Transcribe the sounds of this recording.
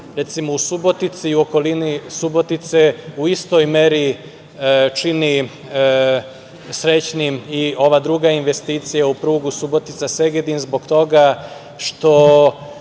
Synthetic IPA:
ɾe̞t̪simousubo̞t̪it̪siuo̞ko̞linisubo̞t̪it̪seuist̪o̞jme̞ɾi | t͡ʃini | sɾe̞t͡ɕnimio̞ʋad̪ɾuːɡainʋe̞st̪iːt̪sijaupɾuːɡusubo̞t̪it̪sase̞ɡed̪inzbo̞ɡt̪o̞ɡa | ʃt̪o̞

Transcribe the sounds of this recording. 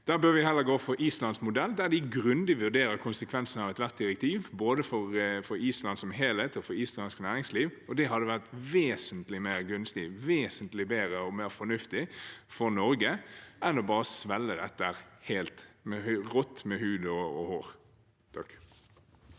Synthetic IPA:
d̪̥æːʁbøːɾʋɪhɛlːəɾɡoːfɔɾʔiːslɑnsmʊd̪ɛld̪æd̪ɪɡɾʉnd̪ɪʋʉɾd̪eːɾəɾkʰʊnsəkʰʋɛnsənɑʋɛt̪ʋæʁt̪̚d̪ɪɾɛk̚t̪ʰiːʋboːd̪əfɔɾfɔɾiːslɑnsɔmɦeːleːt̪ʰfɔɾiːslɑnsknæːɾɪŋsliːʋɔd̪ɛɦɑd̪ːəʋæʁt̪ʋeːsənt̪lɪmeːʁɡʉnːslḭːʋeːsənt̪lɪbeːɾəɔmeːɾfɔnʉft̪ɪfɔɾnɔɾɡəɛnɔbɑːɾəsʋɛlːəd̪ɛt̪ːəæɾheːlt̪mɛhʁɔt̪ːmɛɦʉːd̪ɔɔhoːɾ | t̪ʰɑk

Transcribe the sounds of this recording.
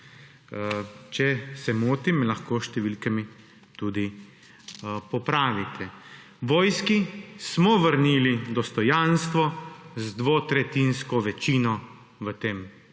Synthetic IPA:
t͡ʃɛsɛmoːt̪imlaxkoːʃt̪ɛʋiːlkɛmi | t̪uːd̪i | pɔpɾaːʋit̪ʰɛ | ʋɔːjskismɔʋəɾniːlid̪ɔst̪ɔjanst̪ʋɔzd̪ʋot̪ɾɛt̪inskɔʋɛt͡ʃinɔ | ʋət̪eːm

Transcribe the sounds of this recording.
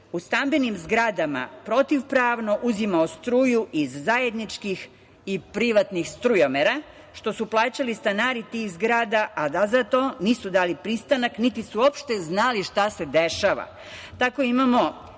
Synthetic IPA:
ust̪ambinimzɡɾad̪ama̰pɾo̞t̪iʋpɾaːʋno̞ʔuzimaost̪ɾuːjuʔizːaje̞d̪nit͡ʃkix | ipɾiʋat̪nixst̪ɾujomeɾa | ʃt̪o̞suplˠaːt͡ɕalist̪anaːɾit̪ixzɡɾaːd̪aʔad̪azat̪oniːsud̪aːlipɾist̪anaknit̪isuopʃt̪e̞znaliʃt̪ase̞d̪eʃaʋa̰ | t̪ako̞imamo̞

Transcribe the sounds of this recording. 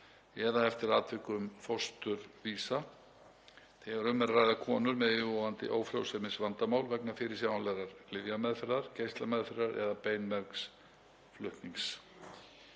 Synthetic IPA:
ɛðaɛft̪ɪɾaːt̪vɪhkʏʏmfɔst̪ʏɾviːsa | θɛɣaɾʏmːɛɾraːjðakʰɔːnʏɾmɛðɪɔant̪ɪ̰ʔoːwfɾo̰wsɛmɪnsvant̪amaːwlvɛknafɪɾɪ̥ɾs̬jawanlɛɾaɾ̥klɪðjamɛðθɾaɾ̥cejst̪lamɛðθɾaɾɛ̰ðapeːjnmɛɾks | flʏht̪niŋs

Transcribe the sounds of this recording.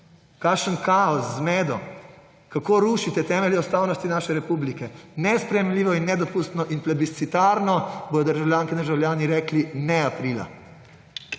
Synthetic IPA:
kaʃənkaɔszmɛːd̪ɔ | kakoːɾuʃit̪ɛt̪ɛːmɛliɔst̪aːwnɔst̪inaːʃɛɾɛpublikɛnɛspɾɛjemlʲiːʋɔinːɛd̪ɔpuːst̪nɔʔinplɛbit̪sit̪aːɾnɔbɔjɔd̪əɾʒawljaːŋkɛd̪əɾʒawlʲjaːniɾɛːklinɛapɾila̰

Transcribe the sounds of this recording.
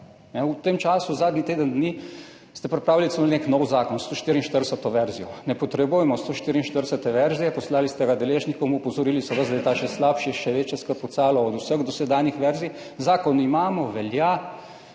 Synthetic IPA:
nɛut̪emt͡ʃaːsuzaːd̪nit̪eːd̪ənd̪ni | st̪ɛpɾɛpɾaːwililit̪səmolneknɔwzaːkɔnst̪oːʃt̪iːɾinʃt̪əɾd̪ɛsət̪ɔʋɛɾzijɔnɛpɔt̪ɾɛbujɛmɔst̪oʃt̪iːɾinʃt̪əɾd̪ɛsət̪ɛʋɛɾzijɛpɔslaːlist̪ɛɡad̪ɛleːʒnikɔmɔpɔzɔɾiːlisɔʋəzd̪jt̪aʃɛslapʃiʃɛʋeːt͡ʃjɛskəɾpɔt̪saːlɔɔd̪usəɣd̪ɔsɛd̪aːnjixʋɛɾzii | zaːkɔnimaːmɔʋɛlja

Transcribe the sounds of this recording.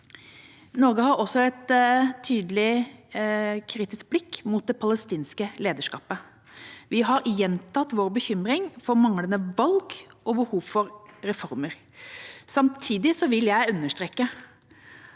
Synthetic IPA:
nɔɾɡəhɑɾɔsːɔɛt̪ʰːyːd̪əlɪ | kʰɾiːt̪ɪsk̚blɪkːmʊt̪̚d̪ɛpʰɑləst̪iːnskəleːd̪əʂkɑ̰ːpə | ʋɪɦɑɾjɛnt̪ʰɑt̪ːʋoːɾbəçʏmɾɪŋfɔɾmɑŋlənəʋɑlɡʔɔbəhuːʋfɔɾɾɛfɔɾməɾ | sɑmt̪ʰiːd̪ɪsɔʋɪljæɪʉnːəʂt̪ɾekːə

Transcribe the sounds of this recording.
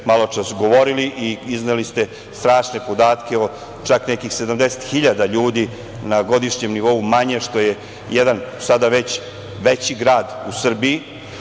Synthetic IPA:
malˠo̞t͡ʂasɡo̞ʋo̞ɾiliʔiiznelist̪e̞ | st̪ɾaːʂne̞po̞d̪aːt̪keo | t͡ʃaknekixse̞d̪amd̪ese̥t̪xiʎad̪aʎuːd̪i | naɡo̞d̪iʃɲe̞mniʋo̞umaɲe̞ʂt̪o̞je | jed̪ansad̪aʋet͡ɕ | ʋet͡ɕiɡɾaːd̪usr̩biː

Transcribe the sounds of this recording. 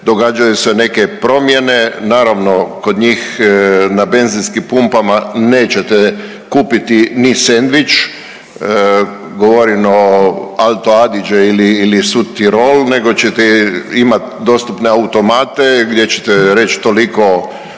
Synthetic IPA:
d̪o̞ɡaːd͡ʒajuseneke̞pɾo̞mje̞ne̞naːɾaʋno̞ko̞d̪ɲiːxnabe̞nzinskimpumpamaneːt͡ɕe̞t̪ɛ | kuːpit̪inisend̪ʋit͡ʃː | ɡoʋoɾinoalt̪oad̪id͡ʒeiliilisut̪ːiɾolne̞ɡo̞t͡ɕet̪ɛimat̪d̪o̞st̪upne̞aut̪o̞maːt̪e̞ɡd̪je̞t͡ɕe̥t̪eɾe̞t͡ʃt̪oliko̞

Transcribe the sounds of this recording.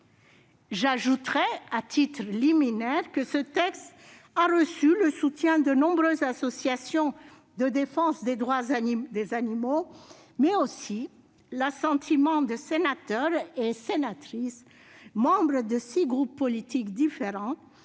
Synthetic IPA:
ʒaʒut̪ʁɛat̪it̪χəliminɛʁkəsət̪ɛkst̪ | aʁəsyləsut̪jɛ̃d̪ənɔ̃bʁøzasɔsjasjɔ̃ | d̪əd̪efɑ̃sd̪ed̪ʁwad̪ezanimo | mɛosi | lasɑ̃t̪ʰimɑ̃d̪əsenat̪œʁesenat̪χis | mɑ̃bʁəd̪əsiɡʁupːɔlit̪ikd̪ifeʁɑ̃

